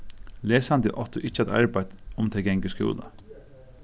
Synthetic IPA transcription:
leːsɑnd̪ə̰ʔɔt̪ʊʔɪt͡ʃːəɛt̪ɑ̰ɹbæɪd̪̥ʊmt̪ʰɪlɡɛŋɡəskʉ̰ːlə̰

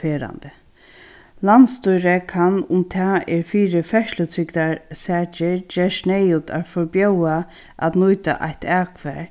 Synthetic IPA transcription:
eːɾa̰nd̪ə | lanst̪ʊjɾɛkʰanʊmt̪ʰɛːɛɹfiːɾɪfɛʃlət̪ʰɾɪkt̪aɹsɛːt͡ʃɪɹd͡ʒeːɹsnejuːt̪ʰa̰ɹfɔɹpjowa | a̰t̪nujt̪a̰ʔa̰jht̪aːkʰvɛ̰ːɹ

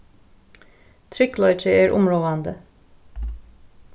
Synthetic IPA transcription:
t̪ʰɹɪklɔʏt͡ʃəæːɹʔʊ̰mɹoːɑnd̪ə

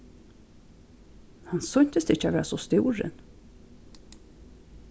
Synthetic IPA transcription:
hɑnsɔnt̪əst̪ɪçɑʋeːsɔst̪uːɾə̰n

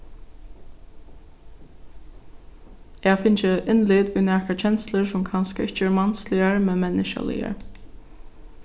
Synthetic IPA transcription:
ɛːɡfɪnt͡ʃəʔɪnlɪːd̪ʊjnæːkat͡ʃʰɛnsləɹsʊmkʰɑnskəɪht͡ʃəɛɹmɑnslɪəɹmɛnmɛnɪʃa̰lɪ̰ə̰ɹ

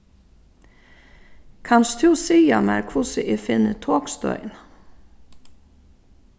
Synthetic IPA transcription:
kʰanst̪ʰʉsiːamɛɾkʰʊsəʔɪfɪnːət̪ʰoːkst̪œ̰ʏn

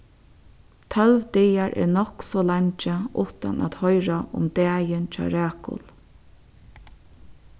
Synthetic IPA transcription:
t̪ʰœlʋd̪ɛjaɹʔɛ̰nɔksɔlaɲt͡ʃəʊht̪a̰na̰t̪hɔjɾaʔʊ̰md̪ɛːjɪnt͡ʃʰɑ̰ːɾæːkʊ̰l

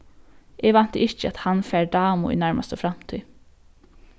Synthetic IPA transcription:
ɛːɡʋɑnt̪əɪçəɑt̪hɑnfæːɹɖɑːmʊ̰ḭnæɹmɑ̰st̪əfɾɑmt̪ʰyː

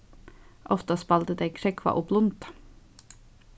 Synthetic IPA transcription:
ʔɔft̪əspɑlt̪əd̪ekʰɾɛkʰʋɑ̰ːʔʊplʊnt̪

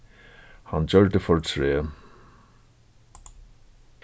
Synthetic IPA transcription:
hand͡ʒœɹd̪əfɔɹtʰɹeː

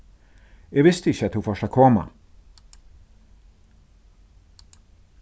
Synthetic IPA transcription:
jɛɡʋɪst̪əɪçəɑt̪hufɔʂɑkʰɔma̰

